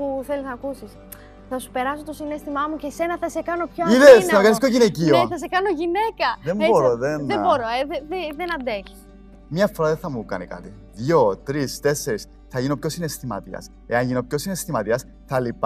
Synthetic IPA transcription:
puθe̞liznɐkusis | θɐsu̥pe̞ɾɐsot̪osinest̪imɐmuce̞se̞nɐθɐse̞kɐno̞pçoiðeɐmekɐniskoʝinecioθɐs̬e̞kɐno̞ʝine̞kɐðemboɾoðenðeboɾoeðeðeðenɐnd̪e̞çi̥s | mɲɐfoɾɐðeθɐmukɐ̰nikɐ̰t̪i | ðʝot̪ɾist̪e̞sːeɾis | θɐʝinopçosinest̪imɐ̰t̪iɐ̰s | e̞ɐɲʝinopçosinest̪imɐt̪iɐs | θɐlip

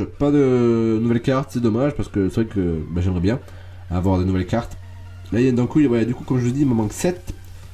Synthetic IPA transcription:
pad̪ənuvɛlkaʁt̪sɛd̪ɔmaʒpaʁsə̥kəsəvʁɛkəbaʒɛmʁɛbjɛ̃ | avwaʁd̪enuvɛlkaʁt̪ | laiɛd̪ɑ̃kubad̪ykukɔmʒələd̪iməmɑ̃ksɛt̪

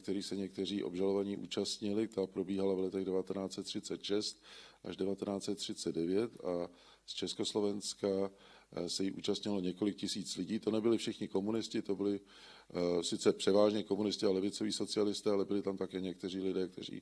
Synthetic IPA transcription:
kt̪ɛɾiːsɛɲɛk̚t̪ɛriːʔo̞̰bʒalo̞vaɲiːʔṵːt͡ʃast̪ɲɪlɪt̪apɾo̞biːɦalavlɛt̪ɛɣdɛvat̪ɛnaːt͡sɛt̪ːr̝̥ɪt͡sɛt̪ʃɛst̪̚ʔaʒdɛvat̪ɛnaːtt͡sɛt̪ːr̝̥ɪt͡sɛd̪̚dɛvjɛt̪a | st͡ʃɛskoslo̞vɛnska | sɛjiʔṵːt͡ʃast̪ɲɪlo̞ɲɛko̞lɪk̚cɪsiːt͡slɪɟiːt̪o̞nɛbɪlɪfʃɪxɲɪko̞munɪscɪt̪o̞bɪlɪ | sɪt͡sɛpr̝̥ɛvaːʒɲɛko̞munɪst̪ɪalɛvɪt͡so̞viːso̞t͡sɪalɪst̪ɛːalɛbɪlɪt̪amt̪akɛːɲɛk̚t̪ɛr̝iːlɪdɛːk̚t̪ɛ̰r̝ḭː

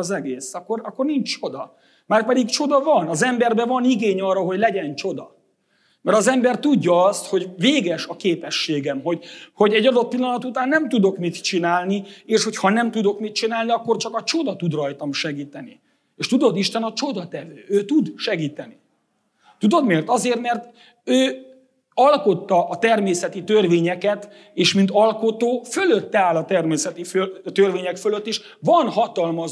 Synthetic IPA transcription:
zɛɡeːsɒkːo̞rɒkːo̞rnint͡ʃt͡ʃo̞d̪ɒ | maːrpɛd̪iɡt͡ʃo̞d̪ɒvɒnɒzɛmbɛrbɛvɒniɡeːɲɒrːɒɦo̞ɟlɛɟɛnt͡ʃo̞d̪ɒ | mɛɾɒzɛmbɛrt̪uɟːɒɒst̪ho̞ɟveːɡɛʃɒkeːpɛʃːeːɡɛmɦo̞ɟho̞ɟɛɟːɒd̪o̞t̪̚pilːɒnɒt̪ut̪aːnːɛmt̪ud̪o̞kmit̪t͡ʃinaːlnieːʃho̞chɒnɛmt̪ud̪o̞kmit̪̚t͡ʃinaːlniɒkːo̞rt͡ʃɒkɒt͡ʃo̞d̪ɒt̪ud̪rɒjt̪ɒmʃɛɡiːt̪ɛni | eːʃt̪ud̪o̞d̪iʃt̪ɛnɒt͡ʃo̞d̪ɒt̪ɛvøːøːt̪ud̪ʃɛɡiːt̪ɛni | t̪ud̪o̞d̪meːrt̪ɒzeːrt̪mɛrt̪ | øː | ɒlko̞t̪ːɒʔɒt̪ɛrmeːsɛt̪it̪ørveːɲɛkɛt̪ | eːʃmint̪ɒlko̞t̪oːfø̞lø̞t̪ːɛaːlɒt̪ɛrmeːsɛt̪iføt̪ørveːɲɛkføløt̪ːeːʃ | vɒnɦɒt̪ɒlmɒ

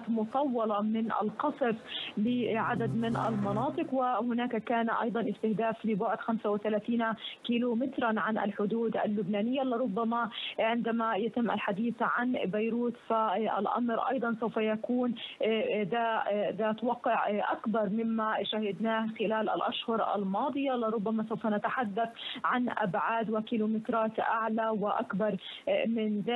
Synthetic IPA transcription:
t̪mʊt̪ˤɑwːɑlɑmɪnʔa̰lqɑsˤflɪʕad̪ad̪mɪnʔa̰lmɑnɑːt̪ˤɨqwɪhʊnaːkakaːnʔɑ̰jd̪ˤɑnʔɪst̪ɪhd̪aːflɪbʊʕʊd̪xamsawɪθalaːθiːnkiːlumɪt̪ɾˤanʕanʔa̰lħʊd̪uːd̪ʔa̰lːʊbnaːnɪjːalːɪɾˤʊbːamaʕɪnd̪amajat̪ɪmːʔa̰lħad̪iːθʕanbajɾuːt̪faʔa̰lʔɑ̰mɾʔɑ̰jd̪ˤɑnsawfajakuːn | d̪ad̪at̪wɑqːɪʕʔakbɑɾˤmɪmːaʃahɪd̪naːhxɪlaːlʔa̰lʔaʃhʊɾʔa̰lmɑːd̪ˤɨjalɪɾˤʊbːamasawfanat̪aħad̪ːaθʕanʔa̰bʕaːd̪wɪkiːlumɪt̪ɾˤɑːt̪ʔaʕlawɪʔa̰kbɑɾˤmɪnðaː

